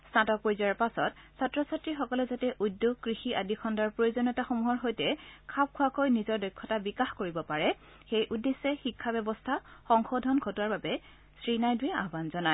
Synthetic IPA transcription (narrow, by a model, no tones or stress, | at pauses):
satɔk̚pojzɔaɹpasɔt | satɹɔsatɹixɔkɔlɛzatɛʔudːjoɡ̚kɹixiʔadikʰɔndaɹpɹojozɔnɔtaxomuɦɔɹɦojtɛkʰap̚kʰʊwakojnizɔɹdɔjkʰːɔtabikaxkoɹibɔpaɹɛ | xejʔudesːɛxikʰːabɛbɔstʰaxɔŋxodʱɔnɡʰʱɔtaɹbabɛ | sɹinajdujɛʔa̰ɦbanzɔna